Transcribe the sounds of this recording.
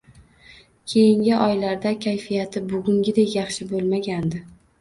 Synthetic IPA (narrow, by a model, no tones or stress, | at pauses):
kʲʰe̞jɪŋɡʲɪʔɒjlaɾd̪akʲʰajfijat̪ʰɪbʊɡʲʊŋɡʲɪd̪ekjɑχʃɪbolˠmaɡʲand̪ɪ